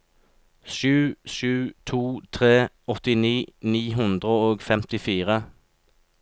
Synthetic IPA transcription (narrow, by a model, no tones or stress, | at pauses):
ʃʉːʃʉːt̪ʰuːt̪ʰʁeː | ɔt̪ɪniːniːɦʉnd̪ʁəoːɡfɛmt̪ɪfiːʁə